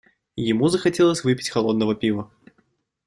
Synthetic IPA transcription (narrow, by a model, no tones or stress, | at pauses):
jɪmuzəxɐtʲelˠəsʲvɨpʲɪ̥tʲxɐlˠo̞d̪nəvəpʲivə